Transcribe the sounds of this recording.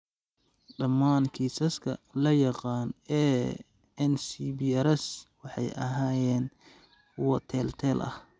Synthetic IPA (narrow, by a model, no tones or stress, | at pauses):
ɖɐmːaːnkʰiːsɐskʰɐlɐjɑqɑːnɛː | ɛnsibiɛɾɛswɑħɑ̰jʔɐ̰ɦaːjɛːn | wɔt̪ʰɛːlt̪ʰɛːlʔɐ̰h